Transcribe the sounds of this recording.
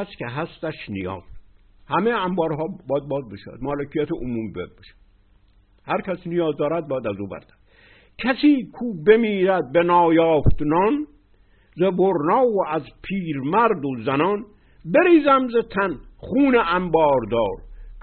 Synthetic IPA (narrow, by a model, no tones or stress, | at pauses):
skʲʰeɦæst̪æʃnijɒ̰ːz | hæmejæmbɒːɾɦɒːbɒːjæd̪̚bɒːzbeʃaæ̰d̪̥mɒːlekʰijæt̪ʰeʔomuːmibḛd̪̚beʃæ̥d̪̥ | hæɾkʰæsnijɒːzd̪ɒːɾæd̪̚bɒːjæd̪æzuːbæ̰ɾd̪̥æd̪ | kʰæsiːkʰuːbemiːɾæd̪̚benɒːjɒːft̪nɒːn | zeboɾnɒːwoʔæzpʰiːɾmæɾd̪ozænɒn | beɾiːzæmzet̪ʰænχuːneʔæmbɒːɾd̪ɒːɾ